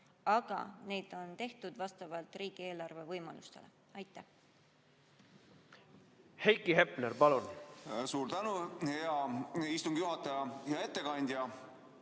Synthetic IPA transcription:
ɑɡ̥ɑ̰ne̞jd̪̥o̞nt̪e̞ht̪ud̪̥vɑst̪ɑvɑlt̪riːɡ̥ie̞ːlɑrve̞vɤjmɑ̰lust̪e̞̰le | ɑjt̪ːˑæh | hejkˑːiɦepˑneɾpɑlunsuːɾt̪ænuheɑist̪uŋɡ̥juɦɑt̪ːˑɑjɑjɑe̞t̪ːekɑnʲd̪ʲjɑ

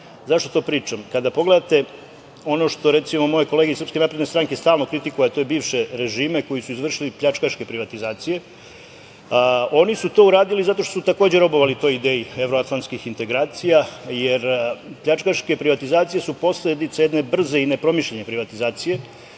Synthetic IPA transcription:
zaʃt̪o̞t̪o̞ːpɾiːt͡ʃamkad̪apo̞ɡle̞d̪at̪e̞ | o̞no̞ʃt̪o̞ɾet̪simo̞mo̞jeko̞leɡisrpskenapɾed̪nest̪ɾaŋke̞st̪aːlˠno̞kɾit̪ikujat̪ojbiːʋʃe̞ɾe̞ʒiːme̞ko̞jisuizʋr̩ʃilipʎʲat͡ʃkaʃke̞pɾiʋat̪izaːt̪sije̞ | o̞nisut̪o̞uɾaːd̪ilizat̪o̞ʃt̪osut̪ako̞ːd͡ʑeɾo̞bo̞ʋalit̪o̞ːjid̪eːjie̞ʋɾoat̪lˠant̪skixint̪e̞ɡɾaːt̪sijajeɾpʎat͡ʃkaʃke̞pɾiʋat̪izaːt̪sije̞supo̞sled̪it̪seje̞d̪ne̞br̩zeine̞pɾo̞miʃʎeɲe̞pɾiʋat̪izaːt̪sije̞

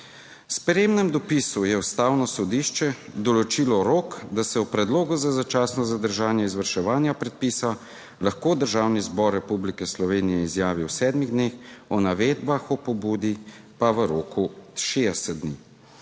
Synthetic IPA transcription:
spɾeːmnɛmd̪ɔpisujɛust̪aːwnɔsɔd̪iːʃt͡ʃɛd̪ɔlɔt͡ʃilɔɾoːkd̪asɛwpɾɛd̪loːɡuzazat͡ʃaːsnɔzad̪əɾʒaːnjɛizʋəɾʃɛʋaːnjapɾɛt̪̚piːsa | laxkoːd̪əɾʒaːwnizbɔɾːɛpublikɛslɔʋeːnijɛizjaːʋiwsɛːd̪miɣd̪nexɔnaʋeːd̪baxɔpɔbuːd̪i | paʋəɾoːkuʃed̪ɛsɛd̪̚d̪nḭ

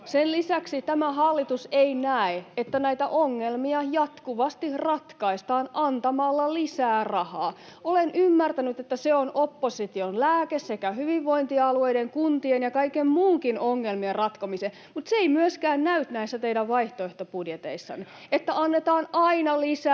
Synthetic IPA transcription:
senlisæksit̪æmæhɑlːit̪useinæeet̪ːænæit̪æʔoŋːelmiɑjɑt̪kuʋɑst̪ihrɑt̪kɑist̪ɑːnɑnt̪ɑmɑlːɑlisæːrɑhɑ̰ːolenʔymːært̪ænyt̪et̪ːæseonopːosit̪ionlæːkessekæhyʋiʋʋːoint̪iɑlueideŋkunt̪ienjɑkɑikemmuːŋkinoŋːelmierrɑt̪komise | mut̪seeimyøskæːnnæyt̪næisːæt̪eidæʋʋɑiht̪oeht̪opudjet̪ḛisːɑ̰nːe | et̪ːæʔɑnːet̪ɑːnɑinɑlisæ

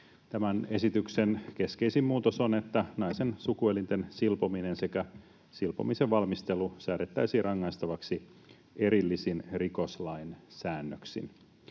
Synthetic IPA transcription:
t̪æmænesit̪yksenke̞skeisimːmuːt̪osone̞t̪ːænɑjsensukuelint̪ensilpominense̞kæ | silpo̰miseʋʋɑlmist̪elusæːɾet̪ːæjsiːrɑŋːɑjst̪ɑʋɑksi | e̞ɾilːisinriko̞slɑinsæːnːøksḭn

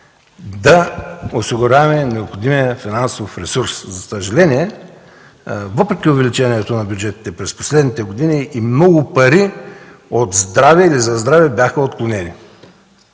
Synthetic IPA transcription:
d̪ɐosiɡʊɾʲavɛmɛnɛopxod̪imijɐfinansofɾɛsuɾszɐsɐʒɐlɛniɛ | vɤpɾɛkʲiʊvɛlit͡ʃɛniɛt̪onɐbʲjud͡ʒɛt̪i̥t̪ɛpɾɛspo̥slɛd̪nit̪ɛɡod̪iniimnɔɡʊpɐɾi | ot̪zd̪ɾavɛilizɐzd̪ɾavɛbjaxɐot̪̚klˠonɛnḭ

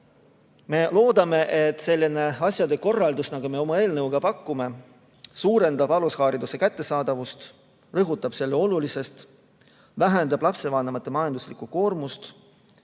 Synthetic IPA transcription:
me̞lo̞ːd̪ɑme̞ʔet̪ːˑse̞lʲːine̞ɑsjɑd̪̥e̞ko̞rːɑld̪usnɑɡ̥ume̞o̞mɑe̞ːlnɤwɡ̥ɑpɑkːume̞ | suːɾe̞nd̪ɑb̥ɑlushɑːɾid̪use̞kæt̪ːe̞sɑːd̪̥ɑvust̪ | rɤɦut̪ːˑɑb̥se̞lːeo̞lulise̞st̪ | væɦænd̪ɑb̥lɑpse̞vɑːnemɑt̪ˑːemɑjɑnd̪̥uslikːˑuko̞ːrmust̪

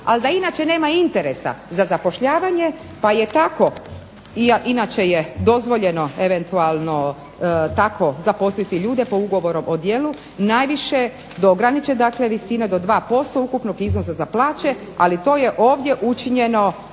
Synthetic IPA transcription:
ald̪ainaːt͡ʃe̞ne̞ːmaint̪e̞ɾesa̰zazapo̞ʃʎaːʋaɲe̞ | pajet̪ako̞ | iʔinat͡ʃe̞jed̪o̞zʋo̞ʎe̞no̞e̞ʋe̞nt̪ualˠno̞ | t̪akʰo̞zapo̞slit̪iʎuːd̪e̞pouɡo̞ʋo̞ɾo̞mʔod̪jeːlu | najʋiʃe̞ | d̪oɡɾanit͡ʃed̪akle̞ʋisinad̪o̞d̪ʋaːpo̞st̪o̞ukupnoɡiznosazaplˠaːt͡ʃe̞ | a̰lit̪o̞ːje̞ʔo̞ːʋd̪je̞ʔut͡ʃiɲeno̞

